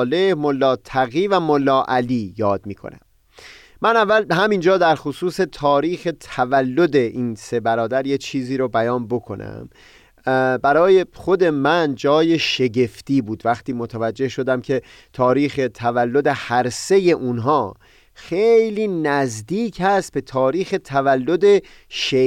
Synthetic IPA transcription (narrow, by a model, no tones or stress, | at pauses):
le̞hmolːɒːt̪ʰæɣiːvæmolːɒːʔæliːjɒːd̪̚miːkʰo̰næ̰m | mænævːælhæmind͡ʒɒːd̪æɾxosuːse̞t̪ʰɒːɾiːxe̞t̪ʰævælːo̞d̪e̞ʔiːnse̞bæɾɒːd̪æɾjet͡ʃʰiːziːɾobæjɒːnbo̞kʰo̞̰nʔæ̰m | bæɾɒːje̞xo̞d̪e̞mænd͡ʒɒːjeʃe̞ɟe̞ft̪iːbuːd̪væxt̪iːmot̪ʰævæd͡ʒːe̞hʃo̞d̪æmcʰe̞ | t̪ʰɒːɾiːxe̞t̪ʰævælːo̞d̪e̞hæɾse̞je̞ʔunɦɒː | xejliːnæzd̪iːcʰhæst̪̚be̞t̪ʰɒːɾiːxe̞t̪ʰævælːo̞d̪e̞ | ʃe